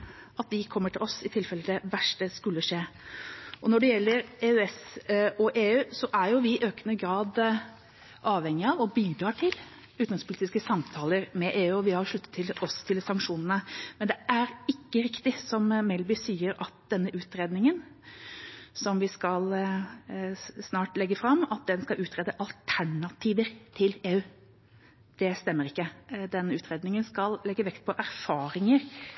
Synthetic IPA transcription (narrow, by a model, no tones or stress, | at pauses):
ʔɑt̪̚d̪ɪkʰɔmːəʈʰɪlɔsɪt̪ʰɪlfɛlːəd̪ɛʋæʂʈəskʉlːəʂeː | ʔɔnɔɖɛjɛlːəɾeʉɛsɔʔeːʉːsɔʔæɾjʊʋɪʔøːkənəɡɾɑːd̪ | ʔɑːʋhɛŋːɪɑʋɔbiːd̪ɾɑːʈʰɪl | ʉːt̪nɪŋspʰʊliːt̪ɪskəsɑmt̪ʰɑːləɾmɛʔeːʉːɔʋɪhɑɾʂɭʉt̪ːət̪ʰːɪlɔst̪ʰɪlsɑŋkʂuːnənəmɛnd̪ɛʔæɾɪkːəɾɪkt̪ɪsɔmmɛlbʏsiːəɾɑt̪̚d̪̥ɛnːəʔʉːt̪ɾeːd̪nɪŋən | sɔmʋɪskɑl | snɑːʈlɛɡːəfɾɑmːɑt̪̚d̪ɛnskɑʔʉːt̪ʰɾeːd̪əʔɑlt̪ʰæɳɑt̪ʰiːʋəɾt̪ʰɪleːʉː | d̪̥ɛst̪ɛmːəɾɪkːəd̪ɛnːəʉːt̪ɾeːd̪nɪŋənskɑllɛɡːəʋɛkt̪̚pʰɔʔæɾfɑːɾɪŋəɾ